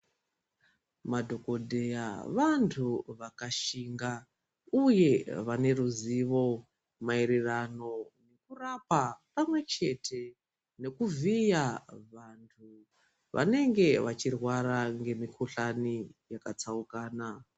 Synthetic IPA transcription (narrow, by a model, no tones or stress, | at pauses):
madʱo̞ko̞dʱe̞jaʋantʰuʋakaʃiŋɡa | uje̞ʋane̞ruziʋo̞ | maiɾirano̞ne̞kurapapamwe̞t͡ʃe̞tʰe̞ | ne̞kuvijaʋantʰu | ʋa̰ne̞ŋɡe̞ʋat͡ʃirwaɾaŋɡe̞mikʰuɬanijakat͡saukaːna